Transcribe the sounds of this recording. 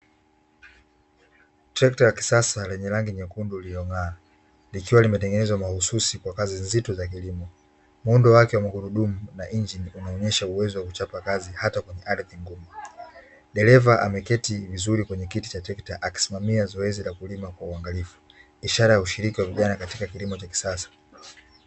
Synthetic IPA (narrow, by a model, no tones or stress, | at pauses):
tɾɛktajaki̥sasalɛɲɛlaŋɡiɲɛkundulilɔŋaː | likiwalimɛtɛŋɡɛnɛzwamahususikwakazinzitɔzakilimɔ | mundɔwakɛwamahuɾuɗumunaʔiɲd͡ʒinunaɔɲɛʃauwɛzɔwakut͡ʃapakazihatakwɛɲɛʔaɾiðiŋɡumu | ɗɛlɛvaʔa̰mɛkɛtivizuɾikwɛɲɛkiti̥t͡ʃatɛktaʔaki̥simamiazɔɛzilakulimakwauaŋɡalifu̥ | iʃaɾajauʃiɾikiwaviʄanakatikakilimɔt͡ʃaki̥sasḁ